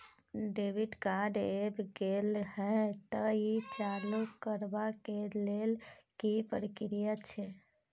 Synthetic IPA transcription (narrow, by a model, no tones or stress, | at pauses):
ɖebiɖkaɖebɡelhɛt̪əit͡ʃalukːəɾbakelelkipəɾikɾijət͡ʃʰɛ